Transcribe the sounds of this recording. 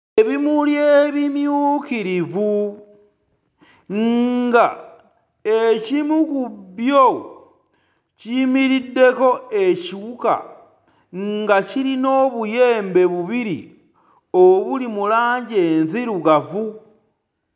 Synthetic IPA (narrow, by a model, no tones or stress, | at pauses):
eβimuljeβimjuːkiɾivu | ŋɡa | ecimukubjo | cimiɾidːe̞ko̞e̞ciuka̰ | ŋɡaciɾino̞βuje̞ːmbe̞βuβiɾḭ | oβulimulaːɲɟeːnziɾuɡavu